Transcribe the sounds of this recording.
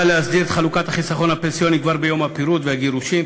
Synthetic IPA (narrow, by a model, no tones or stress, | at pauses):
aleazd̪iʁet̪χalukat̪haχisaχo̞nhapensijo̞nikvaʁbejo̞mhapiɾut̪veaɡeʁuʃim